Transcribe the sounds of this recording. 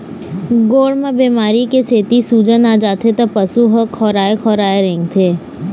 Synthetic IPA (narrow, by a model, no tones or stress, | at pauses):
ɡoːɽmə̃biːmaːɾikeseːt̪isuːd͡ʒənaːd͡ʒaːt̪ʰet̪ɐpɐsuɦəkʰɔːɾaːekʰɔːɾaːeɾẽŋɡt̪ʰeː